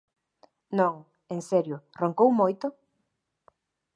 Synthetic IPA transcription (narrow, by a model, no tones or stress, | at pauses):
nõŋ | eŋsɛɾjʊroŋkowmojt̪ʊ